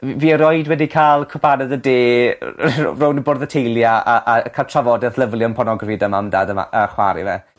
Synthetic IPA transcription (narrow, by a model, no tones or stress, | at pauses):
viːəɾɔɨdwɛdikʰaːlˠkʰʊpʰanɛðədḛː | rownəborðətʰejlˠjaaʔakʰalˠtʰravɔdɛθlˠəvlˠjɔnpʰɔnɔɡrəfidəmamdadəma̰aχwa̰ɾɨ̰vɛ̰